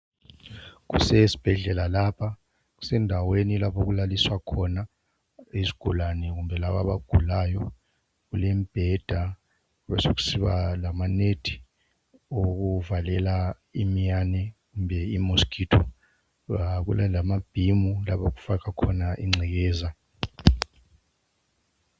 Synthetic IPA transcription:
k̬ṵsɛsi̥b̥ʱɛɮɛlalapʰa | ku̥sɛndʱawenilapʰoɣ̬ulaliswakʰɔna | isi̥ɡ̥ʱṵlanɛk̬umbʱɛlaɓa̰ɓa̰ɡ̥ʱulaːjɔ | kulɛmib̥ʱɛd̥ʱa | kuɓɛ̰sok̬u̥siɓa̰lamaned̥ʱi̥ | ok̬uvalɛla | imijanɛkumbʱɛimuskʰitʰɔ | k̬ṵlalamab̥ʱimulapok̬u̥fak̬akʰɔnaʔḭŋ͡ǀʱik̬ɛːza

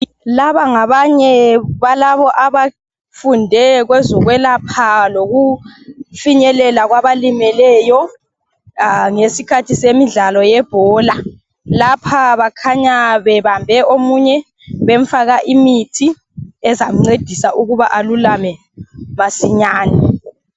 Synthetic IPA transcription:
laβaŋaβaɲɛβalaβɔʔaβa | fundʱɛɣwɛzɔɣwɛlapʰaloɣu | fiɲɛlɛlaɣwaβalimɛlɛːjɔ | ŋesikʰatʰisemiɮalɔjɛb̥ʱɔːla | lapʰaβakʰaɲaβɛβambʱɛʔomuɲɛ | βeɱ̩faɣaʔimitʰi | ɛzam̩ŋ͡ǀed̥ʱisaʔuɣuβaʔalulamɛ | masiɲaːni

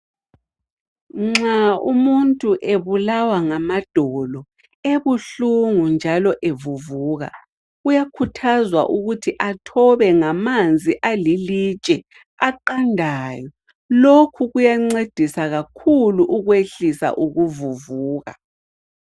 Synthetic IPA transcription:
ŋ͡ǁaumuntʼuʔeβulawaŋamad̥ʱɔlɔ | eβuɬuŋund͡ʒʱalɔʔevuvuːɣa̰ | ujakʰutʰazwa̰ʔuɣutʰiʔatʰɔβɛŋamand͡zʱiʔalilit͡ʃʼɛ | aǃandʱaːjɔ | lokʰuɣujaŋ͡ǀed̥ʱisaɣakʰuluʔuɣweɬisa̰ʔuɣuvuvuːɣa̰

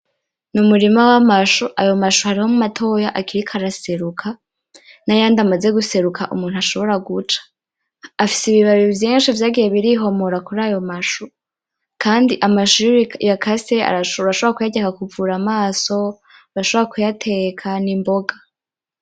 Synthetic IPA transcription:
numuɾimawamaʃuʔajo̞maʃuhaɾiho̞mumatʰo̞ːjaʔakiɾikʰaɾase̞ɾukʰa | najaːndamaze̞ɡuse̞ɾukʰaʔṵmuːn̥uaʃo̞βo̞ɾaɡut͡ʃḁ | afi̥siβiβaɾivjiːnʃivjaːɡije̞βiɾiɦo̞moɾakuɾaːjo̞maʃu | kʰaːndiʔamaʃujakʰasea̰ɾaʃoβoɾakujaɟakakuvuɾamaːso̞ | βaaʃoβoɾakujatʰe̞kʰanimbo̞ɡa

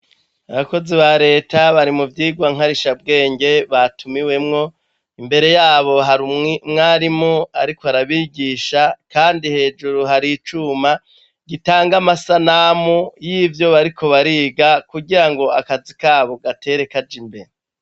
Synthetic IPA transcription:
aβako̞ziβaɾe̞ːtaβaɾimuvjiːɡwaŋ̥aɾiʃab̚ɡe̞ːɲɟe̞βatʰumiwe̞mŋo̞ | imbe̞ɾe̞jaːβo̞ɦaɾumŋimŋaːɾimoaɾikoaɾaβiːɟiːʃakaːndihe̞ːd͡ʒuɾuɦaɾit͡ʃuma | ɡitaːŋɡamasanaːmujiːvjo̞βaɾikʰo̞βaɾiːɡakuɟiɾaŋɡo̞akazikaːβo̞ɡatʰe̞ɾe̞kad͡ʒimbeɾe

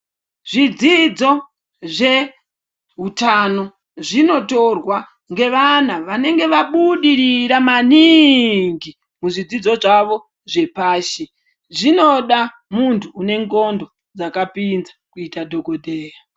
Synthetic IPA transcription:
ʐid͡zid͡zo̞ | ʐe̞ | ɦutano̞ | ʐino̞to̞rwa | ŋɡe̞ʋan̤aʋane̞ŋɡe̞ʋaɓuɗiɾiɾamaniŋɡi | muʐid͡zid͡zoʐaʋo̞ | ʐe̞paːʃi | ʐino̞ɗa | muntʰuːne̞ŋɡo̞ndo̞ | d͡zakapinzḁkuitadʱo̞kodʱeːra

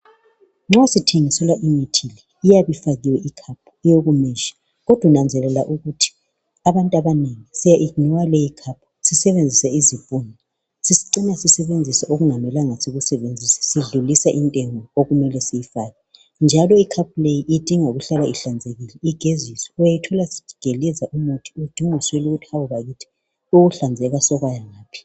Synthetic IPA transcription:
ŋ͡ǁasitʰiŋisɛlaʔimitʰilɛ | ijaβifaɣiwɛikʰap̚ʰujoɣumɛʃḁ | ɣɔd̥ʱwunand͡zʱɛlɛla̰ʔuɣutʰi̥ | aβantʼaβaneŋisijaʔiɡniwalɛjikʰap̚ʰu̥sisɛβend͡zʱisaizib̥ʼunɔ | sisi̥ǀinasisɛβend͡zʱisaʔoɣuŋamɛlaŋasiɣusɛβend͡zʱisḁsiɮulisaʔintʼɛŋɔoɣumɛlɛsijifaːɣɛ | nd͡ʒʱalɔikʰap̚ʰulejiʔid̥ʱiŋoɣuɬalaiɬand͡zʱeɣilɛiɡ̥ʱezisɔ̥ujajitʰɔlasi̥i̥ɡ̥ʱelɛzaʔumutʰi̥ud̥ʱiŋusweluɣutʰi̥awuβaɣitʰi̥ | uɣuɬand͡zʱɛɣasɔɣwajaŋaːpʰi̥

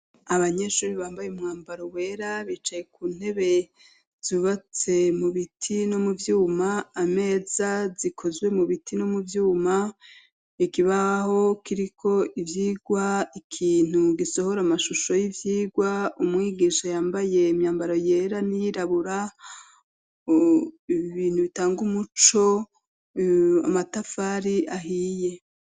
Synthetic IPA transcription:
aβaɲe̞ʃuːɾiβaːmbajumŋaːmbaɾo̞we̞ːɾaβit͡ʃaje̞kuːn̥he̞βe̞ | z̥uβat͡se̞muβitʰino̞muvjuːmaːme̞ːzazikʰo̞zwe̞muβitʰino̞muvjuːma | ikiβaho̞kiɾikʰo̞ʔivjiːɡwaikʰiːn̥uɡiso̞ho̞ɾamaʃuʃo̞jivjiːɡwaumŋiːɡiʃajaːmbaje̞imɲaːmbaɾo̞je̞ɾanijiɾaβuɾa | iβiːn̥huβitaːŋɡumut͡ʃo̞ | a̰matafaːɾiaɦiːje̞

